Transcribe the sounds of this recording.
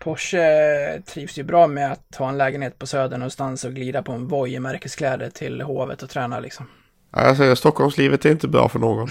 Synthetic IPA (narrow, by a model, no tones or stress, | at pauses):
pʰɔʂət̪ʰɾiːvsjɵbɾɑːmɛat̪hɑːɛnlɛːɡənheːt̪̚pʰɔsøːd̪əɳɔnst̪ansɔɡliːd̪apʰɔɛnvɔjmæɾkəskʰlɛːd̪əʈʰɪlɦoːvə̰t̪ɔt̪ʰɾɛːnalɪ̰ksɔm | ʔa̰ɪasɛjəst̪ɔkːɔlmsliːvət̪æɾɪnt̪əbɾɑ̰ːfœɳoːɡɔn